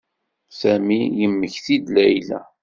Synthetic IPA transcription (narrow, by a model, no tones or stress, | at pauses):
sæmijəmːəçθid̪læjlæ̰